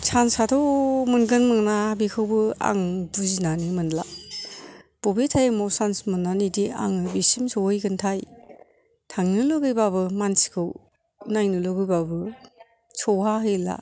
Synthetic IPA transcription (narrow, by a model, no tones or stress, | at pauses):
t͡ʃʰansatʰɔmɯnɡɯnmɯŋnabikʰɯwbɯa̰ŋbuzinanimɯnla̰ | b̥obetʰajmɔwsansmɯnːanidia̰ŋɯbisimsɔwɯjɡɯntʰaj | tʰaŋnɯlɔɡɯjbaβɯmansi̥kʰɯw | najnɯloɡɯjbabɯ | t͡ʃʰɔwɦaɦɯjla̰